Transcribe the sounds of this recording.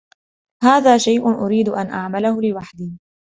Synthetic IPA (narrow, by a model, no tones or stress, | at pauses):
haːðaːʃajʔʊnʔʊɾiːd̪ʊʔanʔaʕmalahʊlɪwaħd̪iː